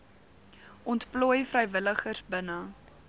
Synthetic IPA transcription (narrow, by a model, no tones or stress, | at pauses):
ʔɔntpluːjfrəjvələχərsbənə